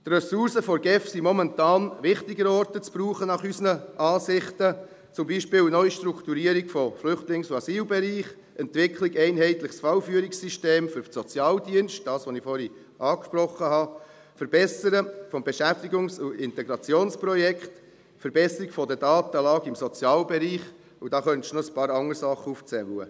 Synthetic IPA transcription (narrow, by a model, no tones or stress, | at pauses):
t̪rɛsuɾsəfɔɾɡɛfsimɔmɛntɑːnʋɪχtɪɡəɾɔɾtət͡sb̥ɾuːχənɑχysnəʔɑːsɪχtə | t͡sʊmbiːʃpɪːlnœʏʃtɾukt̪uɾiːəɾiɡ̥fɔflʏχtlɪŋsʊɑsiːlbɛɾiːχ | ʔɛntʋɪkʰlɪɡɛɪnɦɛɪtlɪχsfɑwfyːəɾɪksiʃteːmfʏɾsɔt͡sjɑːldiənʃt̚d̥ɑːsʋɔnɪfɔɾi | ʔɑːkʃprɔχːəɦɑ | fɛɾb̥ɛsəɾəfɔmbɛʃæft̪iɡʊŋsʊɪntɛɡɾɑt͡sjoːnsprɔjɛkχt̪ | fɛɾbɛsəɾiɡfɔd̪ədɑːt̪əlɑːɡɪmsɔt͡sjɑːlbɛɾiːχ | ud̥̪ɑːχœnt̪ʃnɔəspɑːɾɑŋəɾsɑχːəuft͡sɛwə̰